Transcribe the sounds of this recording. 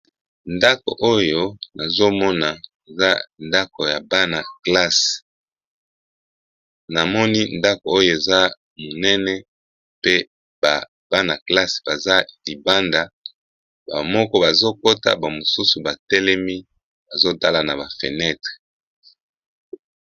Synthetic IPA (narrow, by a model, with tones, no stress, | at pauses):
nda˦ko̰˨ʔo˦jo˦na˨zo˦mɔ˦na˨e˨za˦nda˦ko˨ja˨ba˦na˨kla˦s | na˨mɔ˦ni˦nda˦ko˨o˦jo˨e˨za˦ | mo˨nɛ˦nɛ˦ | pe˦ | ba˨ | b̥a˦na˨kla˦sb̥a˨za˦li˨ba˦nda˨ | ba̰˨mɔ˦kɔ˦ba˨zo˦ko˦ta̰˦ba˨mo˨su˦su˨ba˨tɛ˦lɛ˦mi˦ | ba˨zo˦ta˦la˨na˨ba˨fḛ˨nɛ˦tʁe̥˨